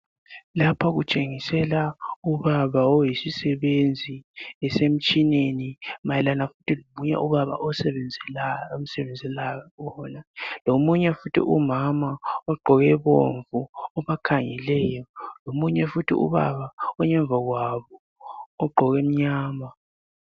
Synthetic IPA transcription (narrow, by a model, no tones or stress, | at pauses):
lapʰaɣut͡ʃʼeŋisɛlauβaβaɔjisisɛβend͡zʱiɛsem̩t͡ʃʼinenimajɛlanafu̥tʰilomuɲɛ̰ʔuβaβa̰ʔɔsɛβɛnd͡zʱɛlom̩sɛβɛnd͡zʱɛlajakɔnalomuɲɛfutʰḭʔumamaɔɡ͡ǃʱɔɣɛβo̰ɱvuɔβakʰaŋɛlɛjɔlomuɲɛfutʰḭṵβa̰βaɔɲɛɱb̪vʱaɣwaβɔː | ɡ͡ǃʱɔɣem̩ɲaːma